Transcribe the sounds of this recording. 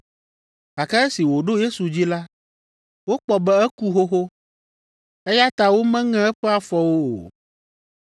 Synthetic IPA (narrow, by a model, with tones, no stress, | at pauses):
ka˨kɛ˦ɛ˦si˨wo˨ɖo˦je˦su˨d͡ʑi˦la˦ | wo˦k͡pɔ˨bɛ˦ɛ˦ku˦ɦo˦xo˦ | ɛ˦ja˦t̪a˨wo˦mɛ̃˦ŋɛ̃˦ɛ˦ɸɛ˦a˨fɔ˨wo˦o̰˨